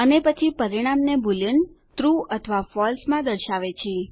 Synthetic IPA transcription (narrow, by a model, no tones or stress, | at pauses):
ənepət͡ʃʰipəɾiɽ̃amnebʱulən | t̪ɾuət̪ʰəʋafɔlsmãd̪əɾʃaʋet͡ʃʰe